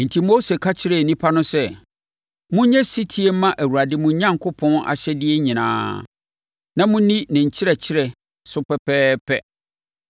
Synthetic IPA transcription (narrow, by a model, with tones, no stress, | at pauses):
n̩˨tʰi˦mo˦se˨kʰa˦t͡ɕʰɪ˦ɾɛ˨nĩ˦pʰa˦nʊ̃˦sɛ˦˨ | mũ˦ɲɛ̃˦si˦tʰi˦e˦m˦mã˦ʔæ˨wu˨a˨dɪ˦mũ˨˦ɲã˦ŋkʰʊ˦pʰɔ̃˦na̰˨ɕɛ˦dɪ˦ɛ˦ɲĩ˨nã̰ː˦ | nã˦mũ˦nĩ˦nɪ̃˨ɲ̩˨t͡ɕʰɪ˦ɾɛ˨t͡ɕʰɪ˦ɾɛ˨ | sʊ˦pɛ˦pʰɛː˦pʰɛ˦